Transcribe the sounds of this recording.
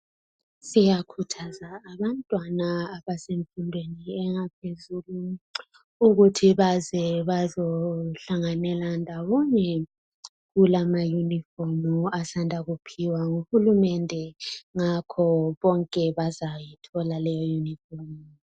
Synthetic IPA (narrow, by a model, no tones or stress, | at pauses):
sijakʰutʰazaːβantʼwanaːβaseɱfundʱweniɛŋapʰezulu | uɣutʰiβazɛβazoɬaŋanɛlandʱawɔɲɛ | ɣulamajunifɔrmuasandʱaɣupʰiwaŋuhulumɛndʱɛŋakʰɔβɔŋkʼɛβazajitʰɔlalɛjɔjunifɔrm